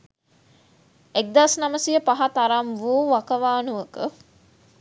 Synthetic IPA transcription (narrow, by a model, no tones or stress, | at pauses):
ek̚d̪asnaməsijəpaɦat̪aɾamʋuːʋakəʋaːnuəkə